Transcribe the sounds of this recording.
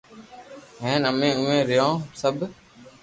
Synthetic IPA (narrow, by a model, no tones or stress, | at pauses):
ɦẽːnəmẽːʊ̃ːẽːɾɪjõːsəbʱ